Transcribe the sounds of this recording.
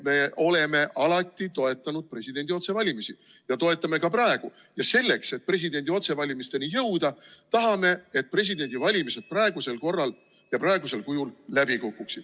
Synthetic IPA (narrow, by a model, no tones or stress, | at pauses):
me̞ʔo̞le̞me̞ʔɑlɑt̪ːˑit̪o̞e̞t̪ːˑɑnud̪̥̚pre̞sʲid̪e̞nʲd̪io̞t̪se̞vɑlʲimisi | jɑt̪o̞e̞t̪ːˑɑme̞kɑprɑe̞ɡ̥u | jɑse̞lːe̞kse̞t̪̚pre̞s̬ʲid̪e̞nʲd̪io̞t̪se̞vɑlʲimist̪e̞nijɤwd̪ɑt̪ɑɦɑme̞et̪̚pre̞s̬ʲid̪e̞nʲd̪ivɑlʲimise̞d̪̥̚prɑeɡ̥use̞lko̞rːɑl | jɑprɑeɡuse̞lkujullæb̥ikukːuksid̥̪